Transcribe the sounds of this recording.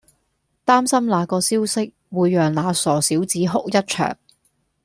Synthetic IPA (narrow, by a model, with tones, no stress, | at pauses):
t̪aː˥msɐ˥mlaː˨˧kɔː˧siː˥wsɪ˥k̚ | wuː˨˧jːœː˨ŋlaː˨˧sɔː˨˩siː˨˥wt͡siː˨˥ɦʊ˥k̚jɐ˥t̚t͡ʃʰœ̰ː˨˩ŋ